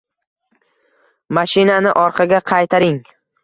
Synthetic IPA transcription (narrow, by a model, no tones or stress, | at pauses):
maʃɪnanɪʔɒɾqʰɑɡʲaqʰɑjt̪ʰaɾɪŋ